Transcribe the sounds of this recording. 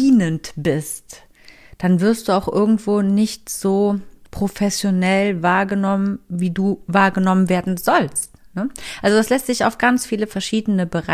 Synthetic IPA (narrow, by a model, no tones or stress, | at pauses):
iːnəntb̥ɪst | d̥anvɪɐstd̥uːaʊxʔɪɐɡŋ̩tv̥oːnɪçtz̥oːpʁ̥ofɛsjonɛlvaːɐɡənɔmənviːduːvaːɐɡənɔmənveːɐdn̩zɔlstnəʔalzodaslɛstz̥ɪça̰ʊfɡ̥ant͡sfiːləfɛɐʃiːdənəbəʁa